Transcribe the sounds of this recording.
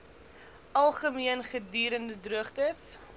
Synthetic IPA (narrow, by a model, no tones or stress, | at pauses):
ʔɐlˠχəmiənχədyːɾəndədruəχtəs